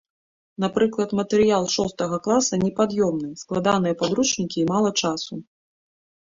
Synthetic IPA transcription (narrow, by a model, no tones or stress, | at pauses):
napɾɨklˠɐt̪mɐt̪ɛɾɨjalˠʂɔst̪ɐɣɐklˠasɐnʲɛpad̪jɔmnɨsklˠad̪anɨjɐpad̪ɾut͡ʂnʲikʲiːmalˠɐt͡ʂasu